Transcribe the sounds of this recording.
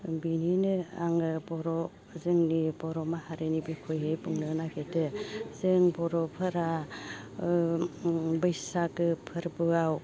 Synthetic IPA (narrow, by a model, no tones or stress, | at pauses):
bininɯaŋɯbɔɾɔ | zɯŋnibɔɾɔmahaɾenibikʰojɦejbuŋnɯnakʰetɯzɯŋbɔɾɔpʰɯɾa | bɯjsaɡɯpʰɯɾbɯaw